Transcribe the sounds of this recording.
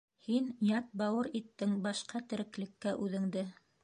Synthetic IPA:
hinjɑt̪̚bɑwɤɾit̪ːɘŋbɑʃqɑt̪ɘ̆ɾɘ̆klɘ̆kːæʔʉðɘ̆ŋd̪ɘ

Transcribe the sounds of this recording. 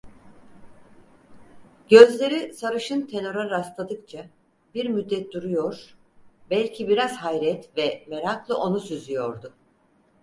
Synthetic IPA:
ɟø̞zlʲe̞ɾisaɾɯʃɯnt̪ʰe̞no̞ɾaɾast̪lˠad̪ɯk̚t͡ʃʰa | biɾmyd̪ːɛt̪̚d̪uɾujo̞ɾ̥ | bɛlʲcʰibiɾaz̥ɦajɾɛt̪vɛme̞ɾaklˠɯʔo̞nusyzyjo̞ɾd̪ʊ

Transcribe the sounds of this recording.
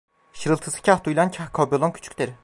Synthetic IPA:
ʃɯɾɯlˠt̪ʰɯsɯ̥cʰaht̪ujlʲˠancʰahkʰabjolˠoncʰy̥t͡ʃʰy̥cʲd̪eɾi

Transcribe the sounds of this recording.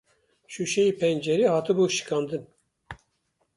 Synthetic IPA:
ʃuʃɛjiːpʰɛnd͡ʒɛɾiːhɑːt̪ɨbuːʃɨ̥kɑːnd̪ɨn

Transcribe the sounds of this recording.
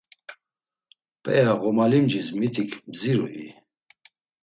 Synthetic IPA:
pʼɛjaɣɔmalimd͡ʒismit̪ʰikʰmziɾṵʔḭ

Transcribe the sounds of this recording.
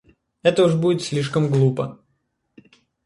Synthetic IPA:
ɛt̪əʊʐbudʲɪt̪sʲlʲiʂkəmɡlˠupə

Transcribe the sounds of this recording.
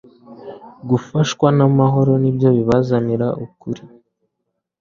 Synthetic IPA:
ɡufaʃkwanamaɦo̞ɾo̞nibjo̞βiβazaniɾaʔukuɾi

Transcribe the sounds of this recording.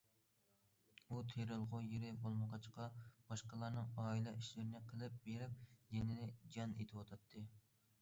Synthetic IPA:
ut̪ʰeɾɨlˠʁʊjeɾɪbolˠməqɑt͡ʃqɑb̥ɑʃqəlˠɑɾnɨŋɑːilˠɑʔiʃlɪɾɪnɪqʰəlˠɪp̚beɾɪp̚d̪enɪnɪd͡ʒɑnḛt̪ʰɪwɑt̪ʰɑt̪ʰːɨ

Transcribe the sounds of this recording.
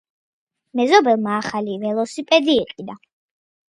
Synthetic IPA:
mɛzɔbɛlˠmaːχalivɛlˠɔsipʼɛd̪iːqʼid̪a

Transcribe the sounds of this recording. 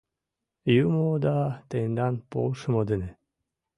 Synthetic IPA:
jumod̪at̪end̪anpo̰ːʂɯmod̪ene

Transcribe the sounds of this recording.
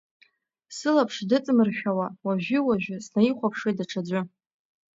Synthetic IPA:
sɨlapʰʂdɨt͡sʼɨmɨrʃᶣawawaʒᶣɪwaʒᶣɪsnaiχʷapʰʂejdaʈ͡ʂʰad͡ʑʷʊ

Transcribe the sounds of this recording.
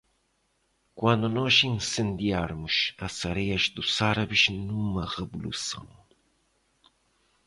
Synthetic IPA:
kwãnd̪ʊnɔʃĩnsẽnd̪iaɾmʊʃɐsɐɾɛjɐʒd̪usaɾɐβɪʃnũmɐʁeβulṵsɐ̰̃w̃

